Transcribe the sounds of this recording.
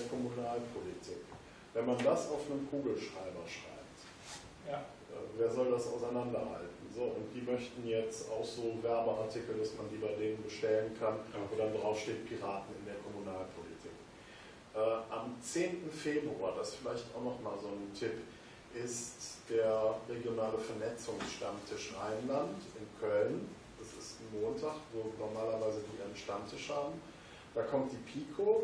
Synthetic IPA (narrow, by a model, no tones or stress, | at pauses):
ɐkʰɔmunaːlpʰolitʰɪk | vɛnmandasaʊfnəmkʰuːɡl̩ʃʁ̥aɪbɐʃʁ̥a̰ɪp̚t | ʔɛ̰ːveːɐzɔldasaʊsaɪnandɐha̰ltn̩zoːʔʊnt̚d̥iːmœçtn̩jɛt͡sta̰ʊxz̥oːvɛɐbəʔaɐtʰɪkl̩dasmandiːbaɪdeːnənbəʃtɛlənkʰanoːdandʁaʊfʃteːtpʰiʁaːtn̩ɪndeːɐkʰɔmunaːlpʰolḭtʰɪːk | ʔɛːʔamt͡seːntn̩feːbʁuaːɐdasfɪlaɪçtʔaʊxnɔχmaːlzoːntʰɪp | ʔɪstd̥eːɐʁeɡjonaːləfɛɐnɛt͡sʊŋsʃtamtʰɪʃʔaɪnlantɪnkʰœln | d̥asɪstmoːntʰaːχvoːnɔɐmaːlɐvaɪzədiːʔanənʃtamtʰɪʃhaːbm̩ | d̥aːkʰɔmt̚d̥iːpʰiːkʰoː